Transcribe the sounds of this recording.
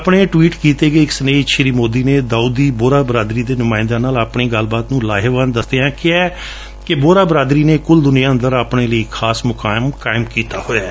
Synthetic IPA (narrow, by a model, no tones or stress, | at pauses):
əpɳeːʈʋiːʈkiːt̪eːɡəːɪksəneːʃɾiːmoːd̪iːneːd̪aːuːd̪iːboːɾaːbɾaːd̪ɾiːd̪eːnʊmaːɪ̃nd̪ãːnaːlaːpɳeːɡəlbaːt̪nũːlaːɦeːʋənd̪əsd̪ejãːkɪɛː | kɪboːɾaːbɾaːd̪ɾiːneːkʊld̪ʊnijaːə̃nd̪əɾaːpɳeːləiːkʰaːsmʊkaːɪmkaːɪmkiːt̪aːhoːaː